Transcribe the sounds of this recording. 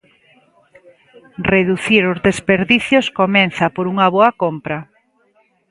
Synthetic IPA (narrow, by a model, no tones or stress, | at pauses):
reðuθiɾʊzðespeɾðiθjoskomɛnθɐpoɾuŋɐβɔɐkompɾɐ